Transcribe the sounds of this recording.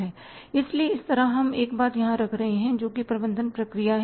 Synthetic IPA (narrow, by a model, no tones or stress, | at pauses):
ɦɛː | ɪslieɪst̪ɐɾaɦɐmeːkbaːt̪jɐɦãɾɐkʰɾɐɦeɦɛ̃d͡ʒoːkipɾɐbə̃nd̪ʱənpɾɐkɾijaɦ